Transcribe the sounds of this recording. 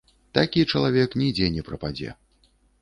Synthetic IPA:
t̪akʲit͡ʂɐlˠavʲɛknʲid͡zʲɛnʲɛpɾɐpad͡zʲɛ̰

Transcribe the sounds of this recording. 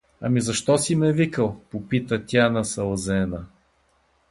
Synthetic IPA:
ɐ̰mizɐʃt̪ɔsimɛvikəlˠpopit̪ət̪ʲjanɐsɐlˠzɛnə

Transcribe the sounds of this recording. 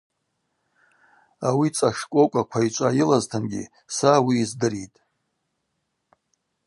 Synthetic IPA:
awit͡sʼaʂkʷʼokʷʼakʷʰait͡ʃʷʼajɪlaztʰɨnɡʲḭ | sawiːzdɨɾitʼ

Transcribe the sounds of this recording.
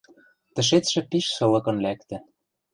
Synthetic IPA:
t̪ə̆ʃ̬et̪ʃɘ̆piʃsɤ̆lɤ̆kɤ̆nlækt̪ɘ̆

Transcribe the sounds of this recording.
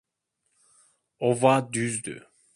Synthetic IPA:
ovad̪yzd̪y̰

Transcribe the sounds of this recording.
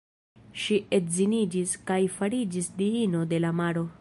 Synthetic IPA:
ʃiʔetzinid͡ʒiskajfaɾid͡ʒisdiino̞de̞lamaɾo̞

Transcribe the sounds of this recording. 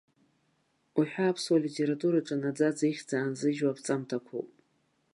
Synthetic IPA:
uħᶣaːpʰswalitʰe̞ɾatʼuɾaʈ͡ʂʼanad͡zad͡zaiχʲd͡zaːnzɨʒwapʰt͡sʼamtʰakʷʰo̰wpʼ

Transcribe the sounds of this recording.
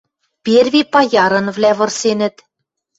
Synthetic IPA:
pʲervʲipɑjɑɾɤ̆nvlæβɤ̆rsenɘ̆t̪

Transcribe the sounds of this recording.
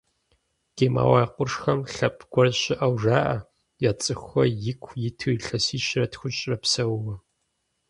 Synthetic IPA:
ɡ̥eːma̰ːwaːjqʷʊrʂxɐmɬɐpʼɡʷɔrɕɪʔɐwʐaːʔɐ | jaːt͡sʼɨxʷɐjɪkʷʰjɪtʰɨɬɐsiːɕrɐtxʷʊɕʼrɐpsɐwwɐ

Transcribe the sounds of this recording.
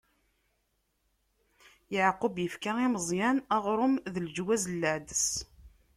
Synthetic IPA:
jəʕqʊbjəfkaiməzˤjænæʁɾˤʊmðəld͡ʒwæzlːæʕd̪əs

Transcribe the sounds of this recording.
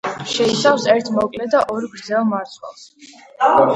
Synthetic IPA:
ʃɛisafsɛɾt̪ʰmɔkʼlɛd̪aʔɔɾɡɾd̪zɛlˠmaɾt̪sʰwɛ̰lˠs

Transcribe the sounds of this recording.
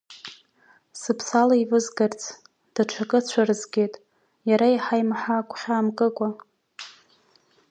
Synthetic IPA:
sɨpʰsalaivɨzɡart͡sʰ | d̥aʈ͡ʂʷʰakʼɨt͡ɕʷʰarɨzɡʲejtʼ | jaɾaiħajmaħaːkʷʰʼχʲaːmkʼɨkʷʼa

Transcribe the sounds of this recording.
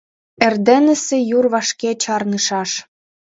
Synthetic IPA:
ĕrd̪ĕnə̆sĕjurβɑʃket͡ɕɑrnɯʃɑʃ

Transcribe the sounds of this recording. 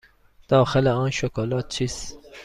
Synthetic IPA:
d̪̥ɒːxeleɒːnʃokʰolɒːt̪̚t͡ʃʰiːs

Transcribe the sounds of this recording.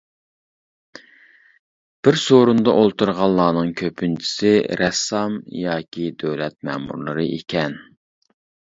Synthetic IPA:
b̥ɪɾsoɾund̪ɑʔolˠt̪uɾʁɑlˠːɑːnɨŋkʲʰøpʰynt͡ʃʰi̥sɪɾɛsːɑmjɑːkʲʰid̪øwlɛt̪̚mɛ̰mṵɾlˠɨɾɨʔḛkʲʰɛn

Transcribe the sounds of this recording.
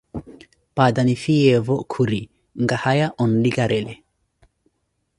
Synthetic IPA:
pad̪anifijevɔkʰuɾi | ŋɡahajaʔɔnliɡaɾʔele

